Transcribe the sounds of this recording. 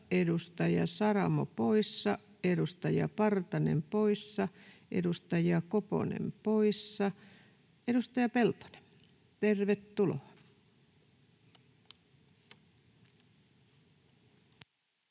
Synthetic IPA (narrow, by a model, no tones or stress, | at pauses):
edust̪ɑjɑ̰sɑrɑmo̰poisːɑ | edust̪ɑjɑ̰pɑrt̪ɑnḛmpoisːɑʔḛdust̪ɑjɑkopo̰nḛmpoisːɑ | edust̪ɑjɑpelt̪o̥ne̥m | t̪erʋet̪ːulo̰ɑ